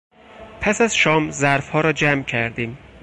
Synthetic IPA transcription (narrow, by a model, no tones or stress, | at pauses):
pʰæsæzʃɒːmzæɾfhɒːɾɒːd͡ʒæmcʰæɾd̪iːm